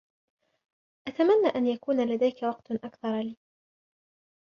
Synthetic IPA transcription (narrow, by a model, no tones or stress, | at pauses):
ʔat̪amanːaːʔanjakuːnalad̪ajkawɑqt̪ʔakθɑɾˤliː